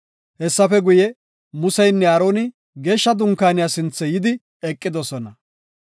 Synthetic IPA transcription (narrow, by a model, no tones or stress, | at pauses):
hɛsːɐfɛɡʊjɛ | mʊsɐjnːɛaːɾo̞ːnɪ | ɡe̞ːʃːɐd̪ʊŋkːaːnɪjaːsɪnt͡sːɛjɪd̪ɪ | ɛkʼːɪd̪ɔsɔnɐ